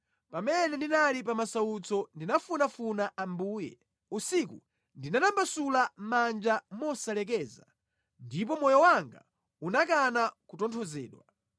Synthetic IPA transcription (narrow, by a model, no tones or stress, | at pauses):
pamɛnɛndinalip̬amasaut͡sɔndinafunafunaʔambuːjɛ̰ | usikṵ | ndinanambasulamand͡ʒamɔsalɛk̬ɛːza | ndip̬ɔmɔjɔwaŋɡa̰ | unak̬anakutɔntʰɔzɛ̰ːɗwa